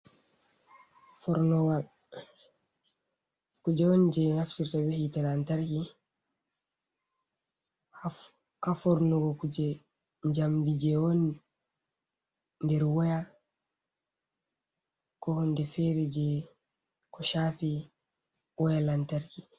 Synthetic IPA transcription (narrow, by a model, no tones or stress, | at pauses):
fɔɾnɔɡa | kud͡ʒɛwɔnd͡ʒɛnaftiɾtabɛhitalantaɾki | hafɔɾnɔɡɔkud͡ʒɛ | ɲd͡ʒamdid͡ʒɛwɔn | ndɛɾwɔja | kɔhɔndɛfɛɾɛd͡ʒɛ | kɔʃaːfi | wɔjalantaɾki